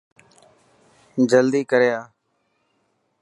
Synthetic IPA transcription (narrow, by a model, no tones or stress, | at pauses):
d͡ʒəld̪iːkəɾjaː